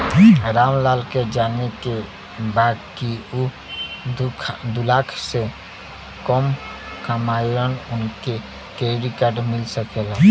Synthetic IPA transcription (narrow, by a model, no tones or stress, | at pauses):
ɾaːmlaːlked͡ʒaːneke | bad̪̚kiu | kʰd̪ʊlaːkʰse | kɔm | kamajɾənʊnke | keɾikəʈmɪlsəkela